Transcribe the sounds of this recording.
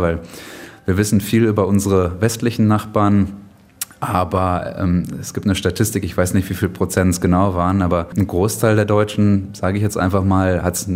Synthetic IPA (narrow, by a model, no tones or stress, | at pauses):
vaɪlviːɐvɪsn̩fiːlyːbɐʔʊnzəʁəvɛstlɪçn̩naχb̥aːɐn | ʔaːbɐɛ̰ːmɛsɡ̥iːp̚tnəʃtatʰɪstɪkɪçv̥aɪsnɪçtv̥iːfiːlpʁ̥ot͡sɛntsɡ̥ənaʊvaːʁənʔaːbɐnɡʁoːstʰaɪldeːɐdɔʏt͡ʃn̩z̥aːɡəɪçjɛt͡stʔa̰ɪnfaχmaːlhats